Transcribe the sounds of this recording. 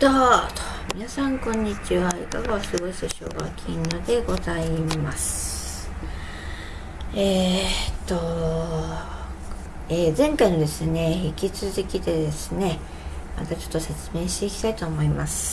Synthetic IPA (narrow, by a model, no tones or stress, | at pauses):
t̪ot̪o̥mʲinasãŋkõ̞ɲ̟ːit͡ɕiβaḭkaɡaosɨɡo̞isoɕo̰ːɡa̰kʲʰiɲːod̪e̞ɡo̞zaimasɨ̥ | eːt̪ːo̞ | eːzẽ̞ŋkaino̞d̪e̞sɨne̞çikʲit͡sɨzɨkʲit̪e̞d̪e̞sɨne̞ | ma̰t̪at͡ɕo̞̥t̪ːose̞t͡sɨme̞ːɕi̥t̪e̞ikʲi̥t̪ait̪o̞ːmo̞imasɨ̥